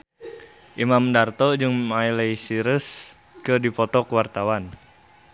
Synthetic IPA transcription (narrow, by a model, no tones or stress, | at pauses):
ʔimamdart̪ɔd͡ʒɨŋmaileisiɾəs | kədipɔt̪ɔkəwart̪awan